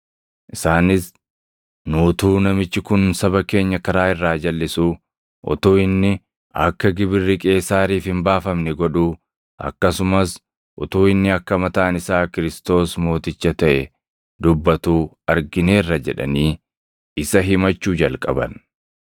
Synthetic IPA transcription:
ʔɪsaːnɪs | nuːt̪uːnɐmɪt͡ʃːɪkʊnsɐbɐke̞ːɲːɐkɐɾaːɪrːaːd͡ʒɐlːɪsuː | ʔɔ̰t̪uːɪnːɪ | ɐkːɐɡɪbɪrːɪkʼe̞ːsaːɾiːfhɪmbaːfɐmnɛɡɔᶑuː | ʔɐ̰kːɐsʊmɐs | ʔɔ̰t̪oːɪnːɪɐkːɐmɐt̪ɐʔːnɪsaːkɪɾɪst̪o̞ːsmo̞ːt̪ɪt͡ʃːɐt̪ɐʔɛ | d̪ʊbːɐt̪uː | ɐɾɡɪne̞ːrːɐd͡ʒɛᶑɐ̰niː | ɪsɐɦɪmɐt͡ʃːuːd͡ʒɐlkʼɐbɐn

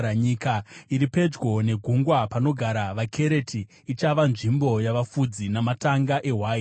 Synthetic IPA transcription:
aɲikaiɾipe̞d͡ʒɡwo̞ne̞ɡʱuŋɡwapano̞ɡʱaɾaʋakʰe̞ɾe̞tʰiː | t͡ʃaʋanʐimbo̞jaʋafud͡zinamataŋɡaʔe̞ɦwaːi

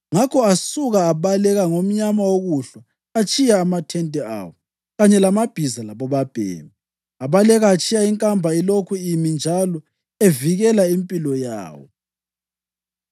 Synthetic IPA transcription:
ŋakʰɔasuɣaːβalɛɣaŋom̩ɲamawoɣuɬa | at͡ʃʼijaːmatʰɛntʼɛa̰wɔ | ɣaɲɛlamab̥ʱizalaβɔβab̥ʱɛ̰ːma | aβalɛɣaːt͡ʃʰʼijaiŋkʼambʱailokʰuimind͡ʒʱalɔ | eviɣɛlaimpʼilɔja̰ːwɔ̰

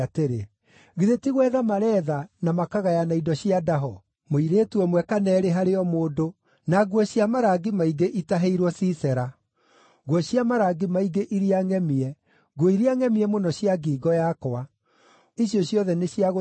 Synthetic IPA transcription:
ateɾe | ɣiðetiɣwɛðamaɾɛːðanamakaɣajanaidɔɕiadaɦɔ | moiɾeːtuɔmwɛkanɛːɾeɦaɾeɔmoːdo | naɡwɔɕijamaɾaɡimaiɡeʔitaɦeiɾwɔsisɛɾa | ɡwɔɕiamaɾaɡimaiɡeʔiɾiaŋɛmiɛ | ɡiɾiaŋɛmiɛmonɔɕiaɡiːɡɔjakɔa | iɕjɔɕjɔðɛneɕjaɣo

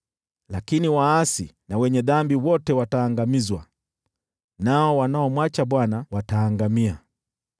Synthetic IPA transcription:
lakiniwaasḭnawɛɲɛðambiwɔtɛwataːŋɡamizwa | naɔwanaɔmwat͡ʃaɓwanawataːŋɡamia

